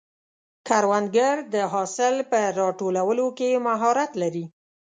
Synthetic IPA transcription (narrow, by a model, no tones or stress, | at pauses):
kaɾwand̪ɡaɾd̪əɦɑsɪlpəɾɑʈolawəlokemaɦɑɾat̪laɾi